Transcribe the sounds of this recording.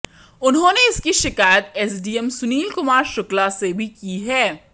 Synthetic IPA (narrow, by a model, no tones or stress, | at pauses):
ʊnɦõːneɪskiʃɪkaːjət̪ɛs̬ɖiːɛmsʊniːlkʊmaːɾʃʊklasebʱikiɦɛː